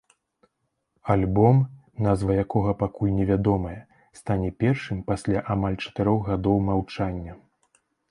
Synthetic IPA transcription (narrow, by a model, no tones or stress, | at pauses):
alʲbɔm | nazvɐjakɔɣɐpakulʲnʲɛvʲad̪ɔmɐjɐ | st̪anʲɛpʲɛrʂɨmpasʲlʲaʔamalʲt͡ʂɐ̥t̪ɨɾɔɣɣad̪ɔwmawt͡ʂanʲːɐ